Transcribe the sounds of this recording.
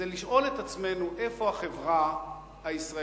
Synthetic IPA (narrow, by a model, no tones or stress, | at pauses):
eliʃʔo̞le̞t̪at͡sme̞nuʔe̞fo̞aχe̞vʁa | haisʁa